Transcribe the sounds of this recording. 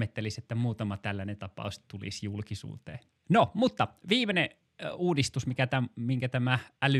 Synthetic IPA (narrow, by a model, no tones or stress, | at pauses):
et̪ːeliset̪ːæmuːt̪ɑmɑt̪ælːænet̪ɑpɑ̰ˑust̪ulḭsjulkisṵːt̪ḛː | nomut̪ːɑʋiːmene | uːdist̪usmikæt̪æmmiŋkæt̪æmæʔæly